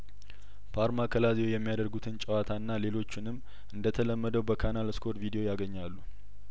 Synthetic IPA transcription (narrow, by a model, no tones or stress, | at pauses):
pʰaɾmakʰəlazewjɛmːijad̪əɾɡut̪ʰɨnt͡ʃʼəwat̪ʰanːale̞lo̞t͡ʃːɪnɨmː | ʔɨnd̪ət̪ʰələmːəd̪əwbəkʰanalskʰo̞ɾt̪vid̪eo̞jaɡəɲːalːu